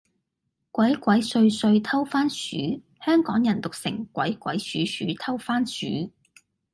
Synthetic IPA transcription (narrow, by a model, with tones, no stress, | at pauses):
kʷɐ˨˥jkʷɐ˨˥jsɵ˧ɥsɵ˧ɥt̪ʰɐ˥wfaː˥nsyː˨˥ | hœː˥ŋkɔː˨˥ŋjɐ˨˩nt̪ʊ˨k̚sɪ̰˨˩ŋkʷɐ̰˨˥jkʷɐ̰˨˥jsyː˨˥sy̰ː˨˥t̪ʰɐ˥wfaː˥nsy̰ː˨˥